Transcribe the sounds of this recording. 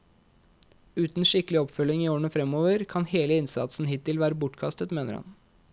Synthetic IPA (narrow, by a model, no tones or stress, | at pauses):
ʉːt̪n̩ʃɪkəlɪɔpfœlɪŋiːoːɳəfɾɛmoːʋəɾkʰɑnheːləɪnsɑ̰t̪sn̩hɪt̪ɪlʋæːɾəbʊʈkʰɑst̪ət̪meːnəɾhɑ̰n